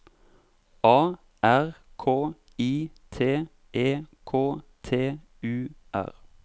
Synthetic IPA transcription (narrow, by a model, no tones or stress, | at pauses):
ʔɑː | ʔæʁkʰoː | iːt̪ʰeː | ʔeːkʰoːt̪ʰeː | ʉː | ʔæ̰ʁ